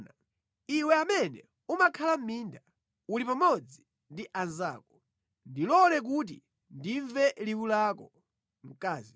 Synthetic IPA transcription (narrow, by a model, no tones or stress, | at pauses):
na | iwɛamɛnɛ̰ | umakʰalam̩miːnda | ulipamɔd͡zi | ndiʔanzaːkɔ̥ | ndilɔlɛk̬ut̬ḭ | ndiɱvɛliwulakɔ | ŋ̩kaːzi